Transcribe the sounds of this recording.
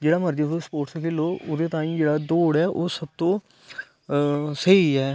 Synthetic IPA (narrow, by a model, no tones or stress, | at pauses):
d͡ʒeːɽaːməɾd͡ʒad̪ospoːʈsəkʰeːloːʔʊd̪eːt̪ãːĩːd͡ʒeːɽaːd̪oːɽɛːʔoːsəb̚t̪õː | səɦiːɛː